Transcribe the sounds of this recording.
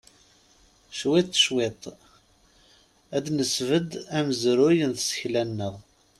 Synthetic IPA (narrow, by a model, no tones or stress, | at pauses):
ʃwet̪ˤːʃwet̪ˤ | æd̪nəsvəd̪æməzɾʊjənθsə̥çlænːəʁ